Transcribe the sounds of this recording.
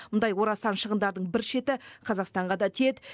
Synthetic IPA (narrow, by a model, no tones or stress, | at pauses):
mʊnd̪ɑjwo̞ɾɑsɑnʃəʁənd̪ɑɾd̪əɴbɪɾʃe̞t̪ɪqʰɑzɑqst̪ɑɴʁɑd̪ɑt̪ʰied̪ɪ